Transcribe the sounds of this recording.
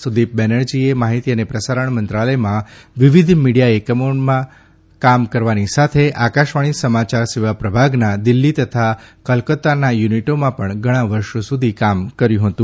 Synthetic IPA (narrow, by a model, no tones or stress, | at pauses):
sud̪ip̚bɛnəɭd͡ʒiemaɦit̪iənepɾəsaɾəɳmənt̪ɾaləjmãʋɪʋid̪ʱmiɽijaekəmonmã | kamkəɾʋanisat̪ʰeʔakaʃʋaɽ̃isəmat͡ʃaɾsiʋapɾəbʱaɡnad̪ɪlːit̪ət̪ʰakəlkət̪anajuniʈomãpəɳɡʱəɽ̃ãʋəɾʃosud̪ʱikamkəɾjũɦət̪ũ